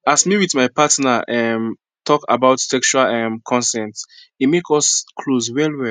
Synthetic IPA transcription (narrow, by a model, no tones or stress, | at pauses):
asmiwiθmajpatnaɛm | tʰɔka̰baʊtsɛkst͡ʃualɛmkʰɔ̃nsɛ̃nts | imekɔskʰlozwɛlwɛ